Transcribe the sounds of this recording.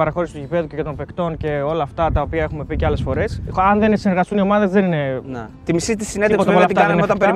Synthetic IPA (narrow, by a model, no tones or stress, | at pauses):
ɐɾɐxo̞ɾisi̥t̪uʝipe̞ðuceʝɐt̪o̞mpe̞kt̪o̞nce̞o̞lɐːft̪ɐt̪ɐo̞piɐe̞xume̞piceɐlesfo̞ɾe̞sɐnðensineɾɣɐst̪unio̞mɐðe̞zðe̞nine̞nt̪imisit̪isineðepot̪ɐolɐt̪iɐneot̪ɐmpeɾi